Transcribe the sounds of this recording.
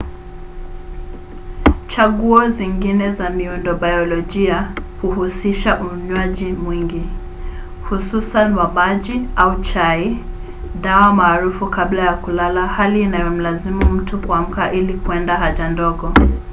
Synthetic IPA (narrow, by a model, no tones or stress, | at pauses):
t͡ʃaɠuɔziŋɡinɛzamiundɔɓajɔlɔʄiahuhusiʃaʔuɲwaʄimwiŋɡi | hususanwamaʄiaut͡ʃai | ɗawamaːɾufukablajakulalahaliːnajɔm̩lazimum̩tukuam̩kaʔilikuɛndaɦaʄandɔɠɔ